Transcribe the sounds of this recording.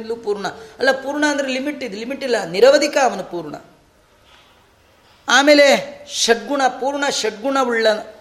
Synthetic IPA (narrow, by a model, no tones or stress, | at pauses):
nluːpuːɾɳɐɐlːɐpuːɾɳɐɐnd̪ɐɾelimiʈːid̪ulimiʈːilːɐniɾɐʋɐd̪ʱikɐːʋɐnupuːɾɳɐ̰ | aːmeːleʃɐʈ̚ɡuɳɐpuːɾɳɐʃɐʈ̚ɡuɳɐʋuɭːɐ